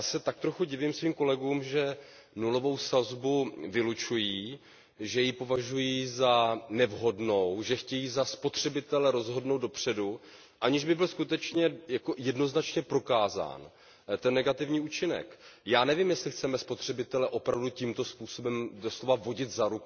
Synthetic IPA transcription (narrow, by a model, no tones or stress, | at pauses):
jaːsɛt̪ak̚t̪ɾo̞xuɟɪvimsviːmko̞lɛɡuːmʒɛ | nulo̞vo̞wsazbuvɪlut͡ʃujiː | ʒɛjipo̞vaʒujiːzanɛvɦo̞dno̞wʒɛxcɛjiːzaspo̞t̪r̝̥ɛbɪt̪ɛlɛɾo̞zɦo̞dnowd̪dopr̝̥ɛdu | ʔaɲɪʒbɪbɪlskut̪ɛt͡ʃɲɛjakojɛdno̞znat͡ʃɲɛpɾo̞kaːza̰ːn | t̪ɛnːɛɡat̪ɪvɲiːuːt͡ʃɪnɛ̰kjaːnɛviːmjɛslɪxt͡sɛmɛspo̞t̪r̝̥ɛbɪt̪ɛlɛʔo̞pɾavducimt̪o̞spuːso̞bɛmdoslovavo̞ɟɪt̪zaɾuk